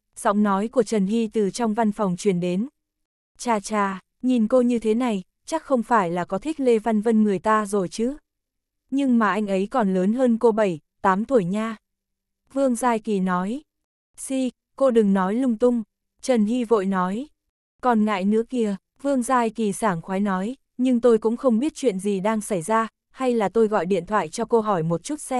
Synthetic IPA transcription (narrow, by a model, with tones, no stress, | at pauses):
z̥ɔ̰˧˥wŋ͡mnɔ˨˦jku˧˩ət͡ɕə˨˩nhi˧t̪ɨ˨˩t͡ɕɔ˧wŋ͡mva˧nfɔ˨˩wŋ͡mt͡ɕwi˧˩ənɗe˨˦n | t͡ɕaː˨˩t͡ɕaː˨˩ | ɲi˨˩nko˧ɲɨ˧t̪ʰe˨˦na˨˩j | t͡ɕa˦˥k̚xə˧wŋ͡mfaː˧˩jlaː˨˩kɔ˨˦t̪ʰi˦˥k̟̚le˧va˧nvə˧nŋɨ˨˩əjt̪aː˧zo˨˩jt͡ɕɨ˨˦ | ɲɨ˧ŋmaː˨˩ʔa˧jŋ̟ʔə˨˦jkɔ˨˩nləː˨˦nɦəː˧nko˧ɓə˧˩j | t̪aː˨˦mt̪ʰu˧˩jɲaː˧ | vɨ˧əŋzaː˧jki˨˩nɔ˨˦j | si˧ | ko˧ɗɨ˨˩ŋnɔ˨˦jlʊ˧ŋ͡mt̪ʊ˧ŋ͡m | t͡ɕə˨˩nhi˧vo̰˧˨jnɔ˨˦j | kɔ˨˩nŋa̰ː˧˨jnɨ̰˧˥əki˧ə | vɨ˧əŋzaː˧˩jki˨˩saː˧˩ŋxwaː˨˦jnɔ˨˦j | ɲɨ˧ŋt̪o˧jkʊ̰˧˥ŋ͡mxə˧wŋ͡mɓi˦˥ət̚t͡ɕwḭ˧˨ənzi˨˩ɗaː˧ŋsa˧˩jzaː˧ | ha˧jlaː˨˩t̪o˧jɣɔ̰˧˨jɗḭ˧˨ənt̪ʰwa̰ː˧˨jt͡ɕɔ˧ko˧ɦɔ˧˩jmo˨˩t̚t͡ɕu˦˥t̚sɛ˧